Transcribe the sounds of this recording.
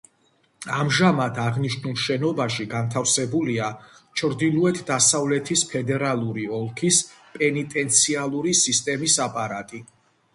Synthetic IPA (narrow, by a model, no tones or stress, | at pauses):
amʒamat̪ʰaʁniʃnulˠʃɛnɔbaʃiɡant̪ʰafsɛbuliat͡ʃʰɾd̪ilˠuɛt̪ʰd̪asavlɛt̪ʰispʰɛd̪ɛɾalˠuɾiɔlˠkʰispʼɛnit̪ʼɛnt̪sʰialˠuɾisist̪ʼɛmisapʼaɾat̪ʼi